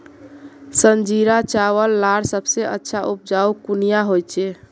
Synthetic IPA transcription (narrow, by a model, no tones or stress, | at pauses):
sənd͡ʒiɾat͡ʃawəlːaɽsəbseʔə̰tːʃʰaʔup̚d͡ʒaukunijaɦojt͡ʃe